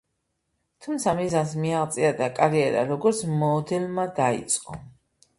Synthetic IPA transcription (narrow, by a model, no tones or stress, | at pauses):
t̪ʰumt̪sʰamizansmiaʁt̪sʼiad̪akʼaɾiɛɾa̰ɾɔɡɔɾt̪sʰmɔːd̪ɛlmad̪aḭt̪sʼqʼɔ